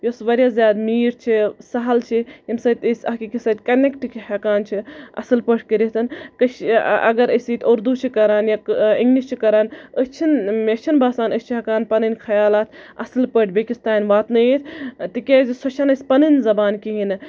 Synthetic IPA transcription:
josʋɐɾʲjaːzjaːd̪miːɾt͡ʃʰisɐɦɐlt͡ʃʰiimsɐːt̪ʲəsʲɐɦkikisɐt̪kɐnekʈkihɐkaːnt͡ʃʰiɐ̰sɨlpəʈʰkeɾiɦt̪ɐnkɐt͡ʃɐ̰ɡɐɾəsit̪ʰʲoːɾd̪ut͡ʃʰikɐɾaːnjaiŋɡnist͡ʃʰikɐɾaːnəst͡ʃʰinmet͡ʃʰinbaːsaːnəsʲt͡ʃʰiɦɐkaːnpɐnɨnkʰɐjaːlaːt̪ʰɐ̰sɨlpəʈʰbekist̪aːnʋaːt̪nɐjt̪ʰt̪ikʲeːzisot͡ʃʰanɐsʲpɐnɨnzɐbaːnkiɦin

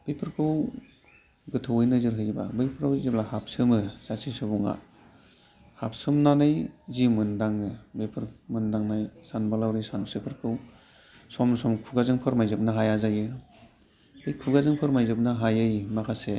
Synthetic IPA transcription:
b̥ejpʰɯɾkʰɯw | ɡɯtʰɯwɯjnɯzɯɾɦɯjba̰bɯjpʰɯɾawzip̚lahap̚sɯmɯzasʰisɯbuŋa̰ | hap̚sɯmnanɯjzimɯndaŋɯbejpʰɯɾmɯndaŋnajsanbalawɾɯjsansɯpʰɯɾkʰɯw | sɔmsɔmkʰuɡazɯŋpʰɯɾmajzɯp̚naɦajazajɯ | bɯjkʰuɡazɯŋpʰɯɾmajzɯp̚naɦajɯjmakʰase

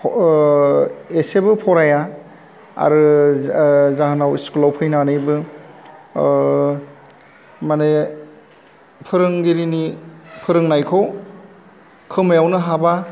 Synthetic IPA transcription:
esebɯpʰɔɾaja | a̰ɾɯ | zahanawiskulawpʰɯjnanɯjbɯ | mane | pʰɯɾɯŋɡiɾinipʰɯɾɯŋnajkʰow | kʰɯmajawnɯɦaba

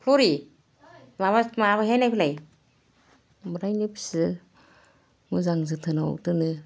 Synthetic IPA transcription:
pʰloɾi | maβamaβaɦenajpʰilaj | bɯɾajnɯpʰi̥sɯ | mɯzaŋzɯtʰɯna̰tɯnɯ

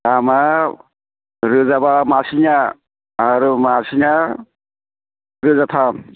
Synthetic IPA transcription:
ama | ɾɯzabamasinaː | ɾumasina | ɾɯzat̪ʰam

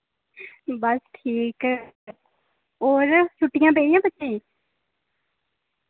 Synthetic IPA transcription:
bəsʈʰiːk | oːɾt͡ʃʰʊʈːɪjãːp̬eːijãːbətːt͡ʃeĩː

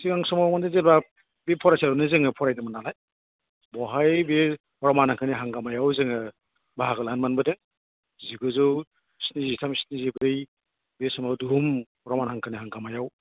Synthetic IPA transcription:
siŋaŋsɔmawmandezelba | bepʰɔɾajsaɾunɯzeŋɯpʰɔɾajnɯmanalaj | bɔɦajbe | hɔɾɔmanhaŋkʰɯniɦaŋɡamajawzeŋɯ | baɦaɡalanmanbɯdeŋ | ziɡɯzɯw | si̥nizitʰamsnizibɯj | besɔmawdumhɔɾɔmanhaŋkʰɯniɦaŋɡamajaw

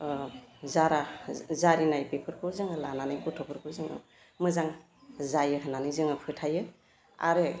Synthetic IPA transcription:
zaɾazaɾinajpepʰɯɾkʰɯzaŋɯlananajkutʰɔpʰɯɾkʰɯzɯŋɯ̰ | mɯzaŋ | zajɯɦɯnanijzɯŋɯpʰɯtʰajɯ | a̰ɾe

